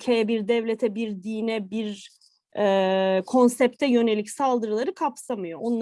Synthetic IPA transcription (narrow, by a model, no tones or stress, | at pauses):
cʰejɛbiɾd̪ɛvlʲet̪ʰɛbiɾd̪iːnɛbiɾ | ɛːkʰo̞nsɛp̚t̪ʰɛjø̞ne̞lʲicsalˠd̪ɯɾɯlˠaɾɯkʰapsamɯjo̞ʔonˠ